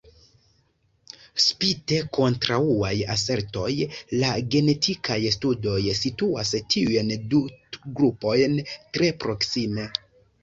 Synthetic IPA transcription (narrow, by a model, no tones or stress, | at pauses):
spite̞ko̞ntɾauajase̞ɾto̞jlaɡe̞ne̞tʰikʰajstudo̞jsituastʰiujnduɡɾupo̞jntɾe̞pɾo̞ksime̞